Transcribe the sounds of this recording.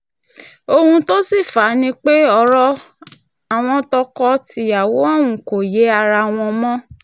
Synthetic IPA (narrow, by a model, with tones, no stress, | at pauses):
o˧hũ˧to˦si˦˨fa˨˦nĩ˦k͡pe˦ɔ˧˨ɾɔ˧ | a˨w̃ɔ̃˧tɔ˧kɔ˧ti˧˦ja˨wo˨˦ɔ̃˦˨wũ˨ko˨je˨˦a˧ɾa˧w̃ɔ̃˧mɔ̃˦